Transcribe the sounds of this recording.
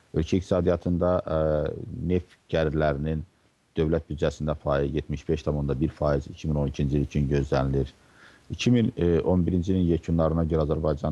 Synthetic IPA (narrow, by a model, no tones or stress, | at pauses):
ølcʰæikt̪i̥sɑːd̪ijɑt̪ʰɯnd̪ɑ | ne̞f | ɟ̥æɾlæɾinin | d̪̥ø̞vlæt̪̚byd͡ʒæsind̪æfɑːjizjet̪miʃbe̞ʃt̪ʰɑmo̞nd̪ɑbiɾfɑːjizicʰimino̞nicʰind͡ʒiilit͡ʃʰynɟø̞zlæniliɾ | icʰimino̞nbiɾind͡ʒilinjecʰunːˠɑɾɯnɑɟø̞ɾæːzæɾbɑjd͡ʒɑn